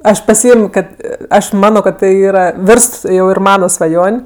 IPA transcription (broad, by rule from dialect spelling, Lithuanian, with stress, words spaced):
ˈɐʃ pɐˈsʲɪeːmʲoː ˈkɐt ˈɐʃ ˈmɑːnoː kɐt ˈtɐɪ ˈiːrɐ ˈʋʲɪrst jɛʊ ɪr ˈmɑːnɐ sʋɐˈjoːnʲ